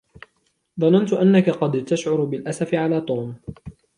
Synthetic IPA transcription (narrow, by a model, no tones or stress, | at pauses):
ðˤɑnant̪ʊʔanːakaqɑd̪t̪aʃʕʊɾʊbɪlʔasafɪʕalaːt̪ˤoːm